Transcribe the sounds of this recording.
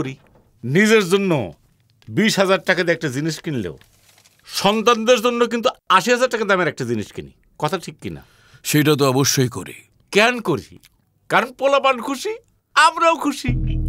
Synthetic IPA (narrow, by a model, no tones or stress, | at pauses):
oɾi | nid͡ʑeɾd͡ʑonːo̰ | biʃɦad͡ʑaɾʈakad̪iɛk̚ʈad͡ʑiniʃkinlḛo | ʃɔnt̪and̪eɾd͡ʑonːok̬int̪uaʃiɦazaɾʈakad̪ameɾɛk̚ʈad͡ʑiniʃkḭnḭ | kɔt̪ʰaʈʰikːina̰ | ʃejʈat̪̬oɔboʃːojkoɾḭ | kɛnkoɾḭ | kaɾonpolapankʰuʃi | amɾaokʰuʃi